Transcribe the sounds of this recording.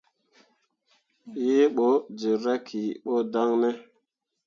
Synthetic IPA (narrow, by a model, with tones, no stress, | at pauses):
je˦ɓo˨˦d͡ʒe˨ɾa˦kʰi˨ɓo˦da˦ŋne˦